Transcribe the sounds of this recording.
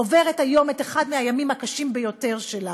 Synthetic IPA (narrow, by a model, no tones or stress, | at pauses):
ove̞ʁethajo̞meteχadmeajamimhakaʃimbejo̞te̞ʁʃela